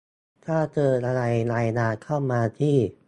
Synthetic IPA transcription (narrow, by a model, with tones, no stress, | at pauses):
t̪ʰaː˥˩t͡ɕɤː˧nʔa˧ɾa˧jlaː˧jlaː˧˩t̪̚kʰa˥˩wmaː˧t̪ʰiː˥˩